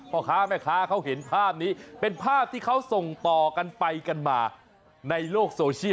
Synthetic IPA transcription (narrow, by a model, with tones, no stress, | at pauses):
pʰɔ˧kʰaː˦˥ma˥˩jkʰaː˦˥kʰa˦˥wɦe˩˦npʰaː˥˩p̚niː˦˥pe˧npʰaː˥˩p̚t̪ʰiː˥˩kʰa˦˥wso˨˩ŋt̪ɔː˨˩ka˧npa˧jka˧nmaː˧ | na˧jloː˥˩k̚soː˧t͡ɕʰi˥˨